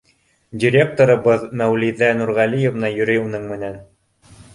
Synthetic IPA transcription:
dʲiɾʲek̚t̪oɾɤ̆bɤðmæwliðænuɾʁælʲijevnɑjɵ̆ɾɘjunɤɴmɘ̆næn

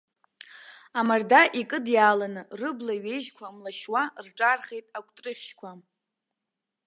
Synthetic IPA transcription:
amardaʔikʼɨdjaːlanɨrɨblaɥe̞jʒkʷʰamlaʃwarʈ͡ʂʼarχejtʼakʷʼtʼrɨχʲʃkʷʰa

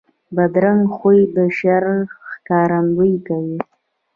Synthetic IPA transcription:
bad̪ɾaŋɡxujd̪əʃaɾxkɑɾanw̪əjkawi

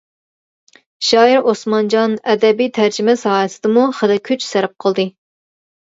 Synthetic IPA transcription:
ʃɑːiɾosmɑnd͡ʒɑnɛd̪ɛbijt̪ʰæɾd͡ʒɪmɛsɑːjɨsɨd̪̥ɨmuχəlɨkʲʰyt͡ʃsæɾɪp̚qʰəlˠd̪ɨ

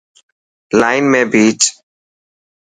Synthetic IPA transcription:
laːɪnmẽːbiːt͡ʃ

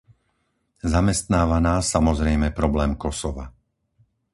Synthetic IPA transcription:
zamɛst̪naːʋanaːsamɔzɾɛjmɛpɾɔblɛːmkɔsɔʋa̰

